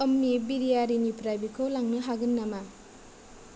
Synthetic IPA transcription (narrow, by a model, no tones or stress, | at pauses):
ɐmnibiɾijaɾinipʰɾajbikʰowlaŋnɯɦaɡɯnːama